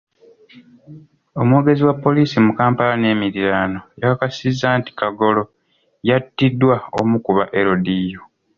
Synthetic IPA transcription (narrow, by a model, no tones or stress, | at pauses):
o̞muwo̞ːɡe̞ziwapːo̞liːsimukaːmpalanie̞ːmiɾiɾaːno̞jakakasizaːnti̥kaɡo̞lo̞ | jatːidwao̞̰mukuβaʔe̞ɾo̞dijo